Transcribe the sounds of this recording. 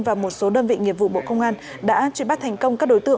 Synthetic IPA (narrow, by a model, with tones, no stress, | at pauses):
vaː˨˩mo˨˩t̚so˨˦ɗəː˧nvḭ˧˨ŋḭ˧˨əp̚vṵ˧˨ɓo̰˧˨kə˧wŋ͡mʔaː˧n | ɗa̰ː˧˥t͡ɕwi˧˩˦mɓa˦˥t̚t̪ʰɛ˨˩ŋ̟kə˧wŋ͡mkaː˦˥k̚ɗo˨˦jt̪ɨ̰˧˨ə˨